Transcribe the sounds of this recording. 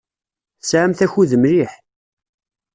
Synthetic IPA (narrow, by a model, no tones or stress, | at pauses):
sʕamθæçuðəmɾiħ